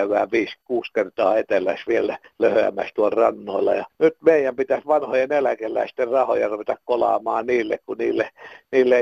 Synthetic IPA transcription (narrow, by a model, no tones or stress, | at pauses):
yʋæ̰ːʋiːskuːskert̪ɑːet̪elæsʋielæløhøæ̰mæ̰st̪uolrɑnːoilːɑ̰jɑnyt̪meijæmpit̪æsʋɑnhojenelækelːæ̰ist̪errɑho̰jɑruʋet̪ɑkkolɑ̰ːmɑːniːlːekkuniːlːeniːlːe